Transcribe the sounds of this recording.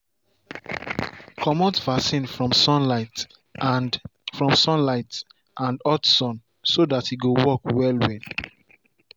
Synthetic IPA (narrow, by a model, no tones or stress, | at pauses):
kʰɔmɔtvasĩnfɹɔ̃msɔ̃nlaɪt | fɹɔ̃msɔ̃nlaɪt | ʔãndɔtsɔ̃n | sodathiɡowɔkwɛlwɛd